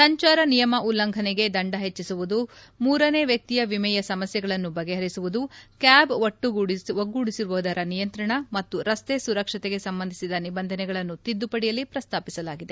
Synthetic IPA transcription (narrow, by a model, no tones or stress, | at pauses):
sɐɲt͡ʃaːɾɐnijɐmɐʔulːɐŋɡʱɐneɡe̞d̪ɐɳɖɐɦet͡ʃːisuʋud̪umuːɾɐne̞ːʋjɐk̚t̪ijɐʋimɛjɐsɐmɐsjɐɡɐɭɐnːubɐɡeɦɐɾisuʋud̪ukjaːbʋoʈːuuɽiʋɐɡːuːɽisiɾuʋɐːd̪ɐɾɐnijɐnt̪ɾɐɳɐmɐt̪ːuɾɐst̪esuɾɐkʂɐt̪eɡe̞sɐmbɐnd̪ʱisid̪ɐnibɐnd̪ʱɐnɛɡɐɭɐnːut̪id̪ːupɐɽijɐlːipɾɐst̪ʰaːpisɐlaːɡid̪e̞